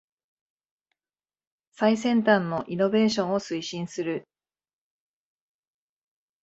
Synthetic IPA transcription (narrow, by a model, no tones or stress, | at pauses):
saisẽ̞nt̪ãnːo̞ʔino̞be̞ːɕõ̞ɰ̃osɨiɕĩɰ̃sɨɾɯ̟